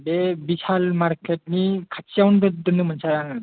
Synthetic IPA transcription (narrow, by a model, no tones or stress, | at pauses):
bebisalmaɾkʰet̚nikʰasiawnɡɯt̚dɯnɯmɯnsʰajaŋa